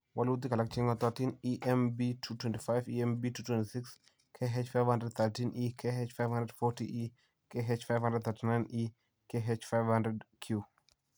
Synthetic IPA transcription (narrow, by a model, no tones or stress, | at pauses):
wɐlut̪̬ikɐlak̚t͡ʃiŋɡɔt̪əɾtiniʔɛmbitʰutwɛ̃ntifajviɛmbitutwɛ̃ntisiks | kʰeɦet͡ʃfajvhandɾəd̪̚θətinʔikʰeɦet͡ʃfajvhãndɾədfɔɾtiʔi | keɦet͡ʃfajvhãndɾəd̪̚θʰəɾtinajni | keɦet͡ʃfajvhandɾɛdkʰju